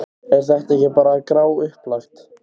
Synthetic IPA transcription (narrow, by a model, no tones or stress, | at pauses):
ɛɾ̥θɛht̪ɛhcɪpaːɾakɾaːwʏhplaxt̪